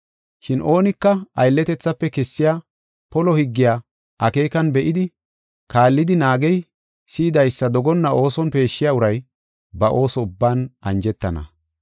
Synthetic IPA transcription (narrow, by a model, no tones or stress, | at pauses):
ʃɪnʔo̞ːnɪkːɐɐjlːɛt̪ɛt͡sːɐpːɛkɛsːɪjaː | pɔlɔhɪɡːɪjaː | ʔɐke̞ːkɐnbɛʔɪd̪ɪ | kaːlːɪd̪ɪnaːɡɛj | siːd̪ɐjsːɐd̪ɔɡɔnːɐʔo̞ːsɔnpe̞ːʃːɪjaʊɾɐj | bɐʔo̞ːsɔʊbːaːnɐnd͡ʒɛt̪ːɐnɐ̰